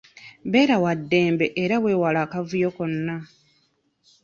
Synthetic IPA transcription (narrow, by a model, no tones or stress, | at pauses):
βe̞ːɾawadːe̞ːmbe̞ʔeɾaβwe̞ːwalaːkavujo̞ko̞nːa